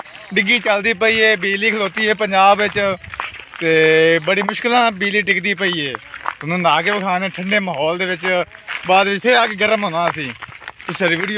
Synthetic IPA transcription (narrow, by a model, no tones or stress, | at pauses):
ɖɪɡiːt͡ʃəld̪iːpəiːeːbiːliːkʰəloːt̪iːɦeːpəɲd͡ʒaːbʋɪt͡ʃ | t̪eːbəɽiːmʊʃkɪlãːbiːliːʈɪkd̪iːpəiːeːt̪ʊnũːnaːkeːbəkʰaːnẽːʈʰəɳɖeːməɦɔːld̪eːʋɪt͡ʃ | baːd̪ʋɪt͡ʃpʰɪɾəɡɡəɾəmɦoːnãːsiːt̪ʊsəɾʋiːɖi